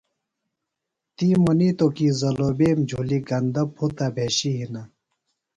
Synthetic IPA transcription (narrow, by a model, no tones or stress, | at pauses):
t̪iːmoniːt̪okizɐloːbeːmd͡ʑʱuːliɡɐnd̪ɐpʰut̪abʱeːɕiɦina